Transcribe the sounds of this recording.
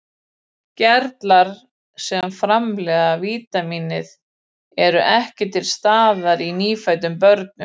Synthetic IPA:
cɛɾt̪laɾ̥ | sɛmfɾamlɛːðaviːt̪amiːnɪð | ɛɾʏʔɛhcɪt̪ʰɪlst̪aːðaɾiniːfaɥt̪ʏmpœɾt̪̚nʏm

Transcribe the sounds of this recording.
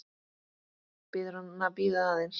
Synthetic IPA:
peðɾonnapiðaðens

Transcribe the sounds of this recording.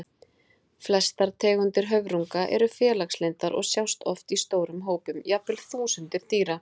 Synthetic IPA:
flɛst̪aɾt̪ʰɛːɣʏnt̪ɪɾ̥ɦœvɾuŋkaʔɛ̰ɾʏfjɛːlakslejnt̪aɾʔɔ̰ɣsjawst̪ʰɔft̪ist̪oːwɾʏmɦoːwpʏmjapɪlθuːsʏnt̪ɪɾ̥t̪iːɾa

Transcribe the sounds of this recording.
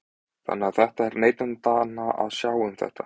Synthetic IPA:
θa̰nːɪaðθɛht̪aɛɾneːjt̪ant̪aːnaʔa̰ðsjaːwʏmθɛ̰ht̪ḁ

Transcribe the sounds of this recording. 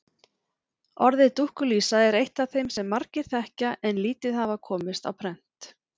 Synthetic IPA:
ɔɾðɪt̪uhkʏliːsaɛɾejht̪awθejmsɛmːaɾcɪɾ̥θɛhcaʔɛnliːt̪ɪðhavakʰɔːmɪst̪a̰wpʰɾɛn̥t̪

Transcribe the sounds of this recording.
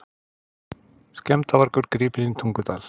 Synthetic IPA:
scɛmt̪avaɾkʏɾkɾiːpɪnɪnt̪ʰuŋkʏt̪aːl̥

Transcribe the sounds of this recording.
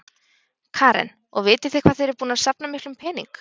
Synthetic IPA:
kʰaːɾɛ̰n | ɔ̰ɣvɪːt̪ɪθɪkʰv̥aðθejɾɪɾpuːnaðsapnamɪhk̪lʏmpʰɛːniŋk

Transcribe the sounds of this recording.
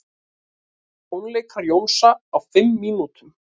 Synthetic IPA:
ownleːjkʰaɾjownsaːwfɪmːiːnut̪ʏm

